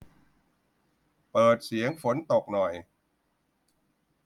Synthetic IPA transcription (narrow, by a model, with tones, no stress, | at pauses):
pɤː˨˩t̪̚si˩˦əŋfo˨˦nt̪o˨˩k̚nɔ˨˩j